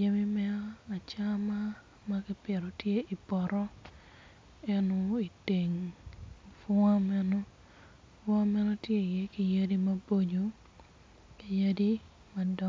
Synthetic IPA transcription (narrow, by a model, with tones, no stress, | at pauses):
je˦mi˦mɛ˦ɔa˨t͡ʃa˦ma˦ | ma˦ki˦pɪ˨ɾo˨tje˦ʔi˨pɔ˨ɾɔ˦ | ɛ˦no˦i˨te˨ŋ | fʊ˦a˦mɛ˦nɔ˦ | fʊ˦a˦mɛ˦nɔ˦tje˦i˨je˦ki˨ja˦di˦mɐ˦bo˦ɲo˨ | ki˨ja˦di˦ | ma˨dɔ˦